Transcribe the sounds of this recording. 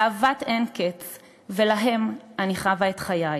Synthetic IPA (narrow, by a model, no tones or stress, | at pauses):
aːvatenket͡s | ve̞laɦe̞maniχavaet̪χajaj